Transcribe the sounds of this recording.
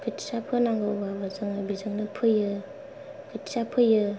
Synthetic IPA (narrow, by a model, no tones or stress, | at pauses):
kʰɯtsapʰɯnaŋɡɯubabazɯŋabizɯŋnɯpʰɯjɯ | kʰɯtsapʰɯjɯ